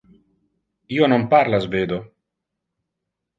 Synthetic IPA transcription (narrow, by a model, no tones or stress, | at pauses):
ionompaɾlazbed̪o